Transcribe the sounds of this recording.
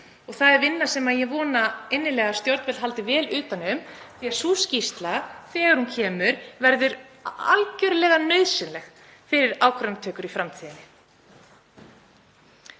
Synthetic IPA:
ɔɣθaðɛɾvɪnːasɛmaðjɛvɔːnaejnːɪlɛːɣast̪jɔɾt̪nvɛt̪lɦalt̪ɪvɛːlʏːt̪anʏmθiaɾ̥suːscist̪laθɛːɣaɾhuncʰɛːmʏɾvɛɾðʏɾa̰lcœɾʏlɛːɣanœɥðsɪnlɛx | fɪɾɪɾaːwkʰɾanmt̪ʰœːkʏɾifɾamt̪ʰiːðɪnːɪ

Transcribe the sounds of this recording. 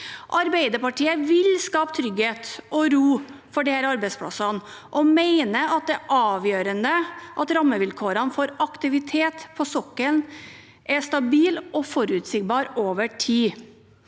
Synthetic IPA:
ʔɑɾbæɪd̪əpɑʈiːəʋɪlskɑːpə̥t̪ʰɾʏɡheːt̪ʔɔɾuːfɔɖɛhæɾɑɾbɛɪspʰlɑ̰sɑn | ʔɔmeɪnəɑt̪̚d̪ɛʔɑːʋjøːɾənəʔɑt̪ɾɑmːəʋɪlkʰoːɾənfɔɾɑkt̪ɪʋɪt̪ʰeːt̪pʰɔsɔkːən | ʔɛʂt̪ɑbiːlʔɔfɔɾʉt̪sɪɡbɑːɾoːʋəʈʰiː

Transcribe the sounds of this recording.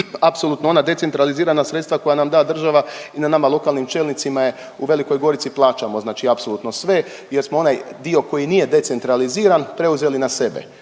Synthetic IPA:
apsoluːt̪noo̞nad̪e̞t̪se̞nt̪ɾaliziːɾanasɾet̪st̪ʋako̞janamd̪aːd̪r̩ʒaʋainanamalˠo̞kalˠnimt͡ʃe̞ːlnit̪simaje̞ | uʋe̞liko̞jɡo̞ɾit̪siplˠaːt͡ʃamo̞znaːt͡ʃiapsoluːt̪no̞sʋe̞ | je̞ɾsmoo̞najd̪io̞ko̞jiniːje̞d̪e̞t̪se̞nt̪ɾaliziːɾanpɾe̞uze̞linase̞bḛ

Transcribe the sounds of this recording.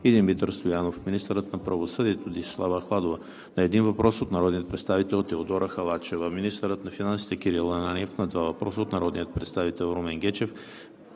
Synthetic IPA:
id̪inmit̪əɾst̪ojanofminist̪əɾət̪nɐpɾɐvosɤd̪iɛt̪od̪isɛ̥slˠavəxlˠad̪ovə | nɐɛd̪invɐpɾɔsot̪nɐɾɔd̪nijət̪̚pɾɛt̪st̪avit̪ɛlˠt̪ɛod̪ɔɾəxɐlˠat͡ʃɛvəminist̪əɾət̪nɐfinansi̥t̪ɛkiɾilˠɐnaniɛfnɐd̪vavɐpɾɔsəot̪nɐɾɔd̪nijət̪̚pɾɛt̪st̪avit̪ɛlˠɾomɛŋɡʲɛt͡ʃɛf

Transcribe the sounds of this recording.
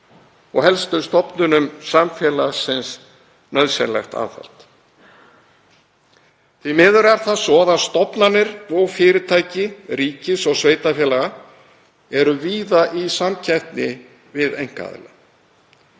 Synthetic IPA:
ɔɣhɛlst̪ʏst̪ɔpnʏnʏmsamfjɛlasɪns | nœðsɛ̰nla̰jxt̪a̰ːðfa̰l̥t̪ | θvimɪːðʏɾɛɾ̥θasɔːðast̪ɔpnanɪɾɔɣfɪːɾɪt̪ʰaːjcɪɾiːcɪsɔɣsveːjt̪afjɛlaɣa | ɛɾʏviːðaʔisamcʰɛjht̪nɪ | vɪðejŋ̥ka̰ðɪ̰la̰

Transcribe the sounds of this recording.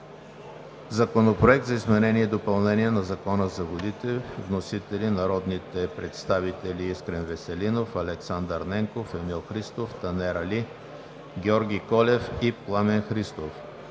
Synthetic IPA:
zɐkonopɾoɛk̚t̪zɐizmɛnɛniɛd̪opɐlˠnɛniɛnɐzɐkɔnəzɐvod̪it̪ɛvnosit̪ɛlinɐɾɔd̪nit̪ɛpɾɛt̪st̪avit̪ɛliiskɾɛnvɛsɛlinofɐlɛksand̪əɾnɛŋkofɛmilˠxɾist̪oft̪ɐnɛɾɐli | ɡʲɛɔɾɡʲikɔlʲɛfiplˠamɛnxɾist̪of

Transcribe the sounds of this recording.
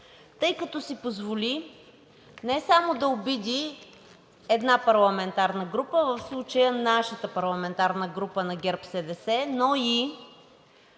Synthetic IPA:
t̪ɤjkɐt̪ɔsipozvolʲi | nɛsamod̪ɐobid̪ʲi | ɛd̪napɐɾlˠɐmɛnt̪aɾnəɡɾupəvəfslˠut͡ʃəjənaʃət̪əpɐɾlˠɐmɛnt̪aɾnəɡɾupənɐɡʲɛɾpsɛd̪ɛsɛnɔi

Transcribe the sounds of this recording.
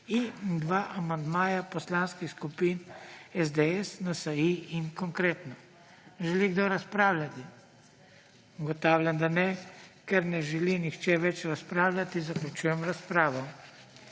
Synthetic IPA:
ind̪ʋaːʔamand̪maːjapɔslaːnskixskupinɛzd̪ɛɛsnasaiinkɔŋkɾeːt̪nɔ | ʒɛliɡd̪oɾaspɾaːwlʲat̪i | ɡɔt̪aːwlʲand̪anɛkɛɾnɛʒɛlinixt͡ʃɛʋɛt͡ʃɾaspɾaːwlʲat̪izaklʲut͡ʃujɛmɾaspɾaːʋɔ

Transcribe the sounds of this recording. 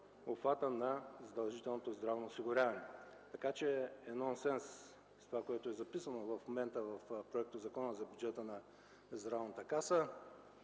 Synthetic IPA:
opfat̪ənɐzɐd̪ɐlˠʒit̪ɛlˠnot̪ozd̪ɾavnoːsiɡʊɾʲavɐnɛt̪ɐkat͡ʃɛːnɔnsɛns | st̪ovakoɛt̪ʊɛzɐpisənovɐfmomɛnt̪əvɐfpɾoɛk̚t̪ozɐkɔnəzɐbjud͡ʒɛt̪ənɐ | zd̪ɾavnət̪əkasə

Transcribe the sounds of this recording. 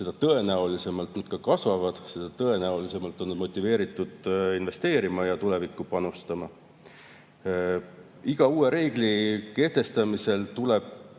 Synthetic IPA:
se̞d̥̪ɑt̪ɤ̞e̞næolise̞mɑlt̪nɑd̪̥̚kɑkɑsvɑvɑd̪̥se̞d̪̥ɑt̪ɤe̞næolise̞mɑlt̪ːˑo̞nːɑd̪mo̞t̪ʲˑːive̞ːɾit̪ːˑud̪̥inve̞st̪e̞ːɾimɑjɑt̪ule̞vikːˑupɑnust̪ɑmɑ | iɡ̥ɑuːe̞ɾe̞ːɡ̥like̞ht̪e̞st̪ɑmise̞lt̪ule̞b̥̚

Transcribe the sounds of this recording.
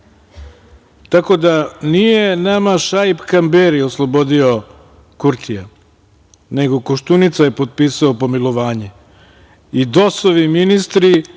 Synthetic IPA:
t̪ako̞d̪anijenamaʃajpkambeɾioslˠobo̞d̪io | kuɾt̪ʰija | neɡo̞koʃt̪unit̪sajepot̪̚piːsaopo̞milo̞ʋaːɲe | id̪osoʋiminist̪ɾi

